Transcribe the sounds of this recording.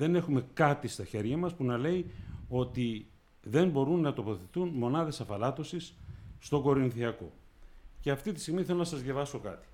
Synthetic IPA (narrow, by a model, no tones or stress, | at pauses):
ðe̞ne̞xume̞kɐt̪ist̪ɐçe̞ɾʝɐmɐspunɐle̞io̞t̪i | ðe̞mbo̞ɾunːɐt̪o̞po̞θe̞t̪unmo̞nɐðe̞sɐfɐlɐt̪o̞sisːt̪o̞ɡo̞ɾinθiɐko̞̰ | ce̞ɐft̪it̪ist̪iɣmiθelo̞nɐsɐzʝɐvɐso̞kɐ̰t̪i̥